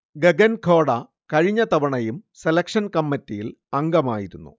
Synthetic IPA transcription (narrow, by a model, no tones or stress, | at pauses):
ɡeɡɐnkʰo̞ːɽɐ | kɐɻiɲːɐt̪ɐʋɐɳɐjumselɐkʂɐnkɐmːɐtːijil | ɐŋɡɐmaːjiɾunːṵ